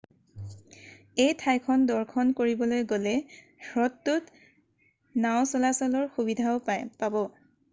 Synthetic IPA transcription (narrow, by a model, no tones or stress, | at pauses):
ejtʰajkʰɔndɔɹkʰɔnkoɹibɔlojɡolɛ | ɹɔtːut | naw̃sɔlasɔlɔɹxubidʱaʊpabɔ